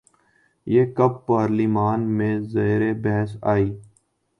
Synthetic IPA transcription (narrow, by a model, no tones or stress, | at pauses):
jeːkəbːaːɾliːmaːnmẽzeːɾebɛɦəsa̰ːiː